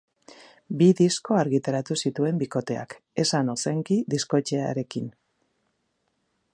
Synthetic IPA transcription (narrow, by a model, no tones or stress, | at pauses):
biðisko̞aɾɣit̪aɾat̪usit̪ue̞mbiko̞t̪e̞a̰k | e̞sano̞se̞ŋkiðisko̞t͡ʃe̞a̰ɾe̞kin